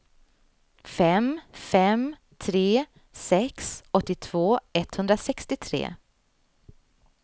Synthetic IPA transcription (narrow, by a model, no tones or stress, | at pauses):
fɛmfɛm | t̪ʰɾeː | sɛksɔt̪ːɪt̪ʰv̥oːɛt̪hɵnd̪ɾasɛkst̪ɪt̪ʰɾḛː